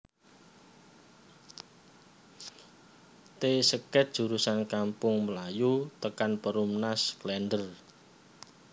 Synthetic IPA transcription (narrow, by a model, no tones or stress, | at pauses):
t̪esəkɛt̪̚d̥ʒ̥ṳɾusankampʊŋməlajut̪əkanpəɾumnasklɛndər